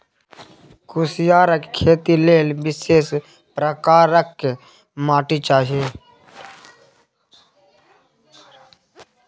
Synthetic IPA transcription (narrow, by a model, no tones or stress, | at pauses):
kʊsjaːɾəkkʰːeːt̪ileːlbɪseːs | pɾəkaːɾəkː | maːʈit͡ʃaːɦieː